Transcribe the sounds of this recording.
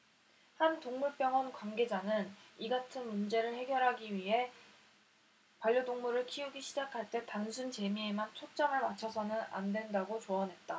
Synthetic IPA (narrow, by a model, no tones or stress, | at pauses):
hantoŋmuɭp͈jʌŋwʌnkwanɡe̞d͡ʑanɯniɡatʰɯnmund͡ʑe̞ɾɯɭhe̞ɡjʌɾɦaɡiɥiɦe̞ | paʎjodoŋmuɾɯɭkʰiuɡiɕʰid͡ʑakʰaɭt͈e̞tansʰunt͡ɕe̞mie̞mant͡ɕʰok̚t͡ɕ͈ʌŋɯɭmat͡ɕʰʌsʰʌnɯna̰ndwe̞ndaɡot͡ɕoʌnɦe̞t̚t͈a